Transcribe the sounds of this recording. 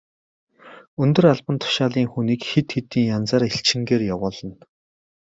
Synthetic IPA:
ɵnt̪ɵ̆raɮpə̆nt̪ʰʊ̥ʃaːɮiːŋxuniːkxet̪xet̪iːŋjant͡saːɾeɬt͡ɕɪ̆ŋɡeːrjawʊːɮə̆n

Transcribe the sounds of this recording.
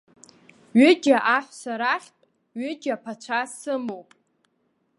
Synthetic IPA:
ɥʏd͡ʒaʔaħʷsaɾaχʲtʼ | ɥɪd͡ʒʲapʰat͡ʃʷʰasɨmowpʼ

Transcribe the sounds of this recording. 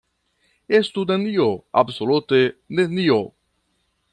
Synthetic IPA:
est̪unenioa̰bsolut̪enenio

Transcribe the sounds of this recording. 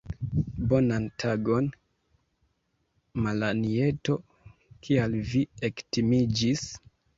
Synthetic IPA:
bo̞nantʰaɡo̞n | malanie̞to̞ | kʰialviektimid͡ʒis

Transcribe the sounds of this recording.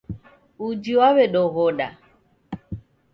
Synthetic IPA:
ud͡ʒiwaβɛɗɔɣɔɗa̰

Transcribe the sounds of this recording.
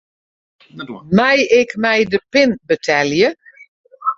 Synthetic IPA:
mɛjɪkmɛjdəpɪnbətʰɛljə

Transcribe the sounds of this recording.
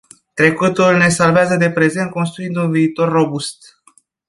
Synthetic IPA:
t̪ɾe̞kut̪ulne̞salveazəd̪e̞pɾe̞ze̞nt̪̚ko̞ns̬t̪ɾuind̪unviːt̪o̞rːo̞bust̪

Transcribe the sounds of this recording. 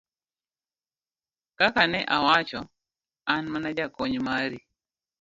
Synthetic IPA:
kakanɛʔawat͡ʃɔ | anmanad͡ʒakɔɲmaɾi

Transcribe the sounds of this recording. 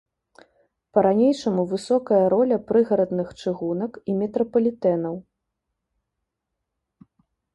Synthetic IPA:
pɐɾanʲejʂɐmuvɨsɔkɐjɐɾɔlʲɐpɾɨɣɐɾɐd̪nɨxt͡ʂɨɣunɐkimʲɛt̪ɾɐpɐlʲit̪ɛnɐw

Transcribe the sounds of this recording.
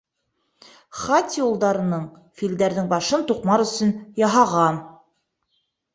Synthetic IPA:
χɑt̪ʲjulˠd̪ɑɾɤ̆nɤɴ | fild̪æɾðɘŋbɑʃɤnt̪uqmɑɾɵ̆sɵnjɑɦɑʁɑn

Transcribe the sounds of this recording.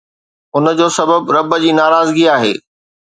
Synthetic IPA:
ʊnəd͡ʑoːsɐbəbɾɐbəd͡ʑiːnaːɾaːzɡiaːɦḛː

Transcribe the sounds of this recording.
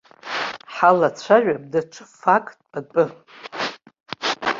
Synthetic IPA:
ħalat͡ɕʷʰaʒʷᶣab̚daʈ͡ʂʷʰɨ̥fakʼtʼb̥apʼɨ

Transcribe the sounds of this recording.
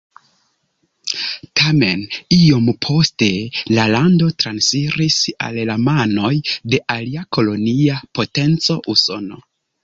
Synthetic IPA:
tʰame̞̰nio̞mpʰo̞ste̞lalando̞tɾansiɾisa̰llamano̞jde̞ʔaliako̞lo̞niapo̞te̞nt͡so̞ʔuso̞̰no̞̰

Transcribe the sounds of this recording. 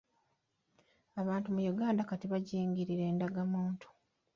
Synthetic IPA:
aβaːntumujuɡaːndakatiβaɟeːɲɟiɾiɾe̞ːndaɡamuːntʰu̥

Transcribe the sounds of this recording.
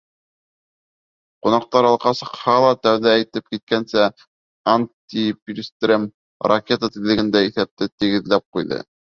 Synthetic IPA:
qunɑq̚t̪ɑɾɑlˠqɑsɤ̆qhɑlˠɑt̪æwðæːjt̪ɘp̚kit̪̚kænsæ | anʲt̪ʲipʲlʲst̪rʲem | rɐkʲe̞t̪ət̪ĭlːɘ̆ɡɘ̆nd̪æiθæp̚t̪ɘt̪ɘ̆ɡɘ̆ðlæp̚qujðɤ̰

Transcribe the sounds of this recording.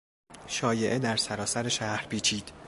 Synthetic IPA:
ʃɒːje̞ʔe̞d̪æɾsæɾɒːsæɾeʃæhɾpʰiːt͡ʃʰiːd̪̥

